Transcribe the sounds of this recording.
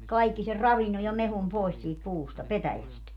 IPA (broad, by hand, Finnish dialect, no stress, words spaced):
kɑikːi ser rɑʋinːoj̆ jɑ mehum poˑis siːt puːstɑ petæjæst